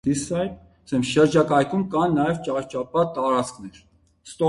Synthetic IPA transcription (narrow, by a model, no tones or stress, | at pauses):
d̪̥isɑjp̪ | sɛmʃəɾd͡ʒɑkɑjkʰumkɑnːɑjɛvt͡ʃɑt͡ʃɑpɑt̪ɑɾɑt͡skʰnɛɾ | st̪ɔ